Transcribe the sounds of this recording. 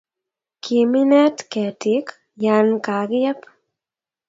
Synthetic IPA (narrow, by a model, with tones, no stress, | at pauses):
kʰi˨mi˦nɛ˦tkɛ˨ti˨k | ja˧nka˨ɡɪ˦jɛ˦p